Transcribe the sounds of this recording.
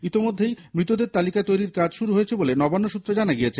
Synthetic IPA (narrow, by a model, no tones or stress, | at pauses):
it̪imod̪ʱːejmɾit̪od̪eɾt̪alikat̪ojɾiɾkad͡ʑʃuɾuɦojet͡ɕʰebolenɔbanːoʃut̪ːɾad͡ʑanaɡijet͡ɕʰe